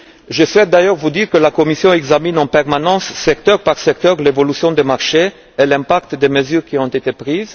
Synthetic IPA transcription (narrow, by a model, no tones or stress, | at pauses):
ʒəswɛt̪̚d̪ajœʁvud̪iʁkəlakɔmisjɔ̃ɛɡzaminɑ̃pɛʁmanɑ̃sːɛkt̪œʁpaʁsɛk̚t̪œʁlevɔlysjɔ̃d̪emaʁʃeː | lɛ̃pakt̪d̪eməzyʁkʲiɔ̃t̪et̪epʁiz